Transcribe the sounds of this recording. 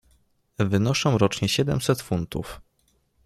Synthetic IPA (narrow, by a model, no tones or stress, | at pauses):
vɘnɔʂɔ̃w̃ɾɔt͡ʂɲɛɕɛd̪ɛmsɛt̪funt̪ṵf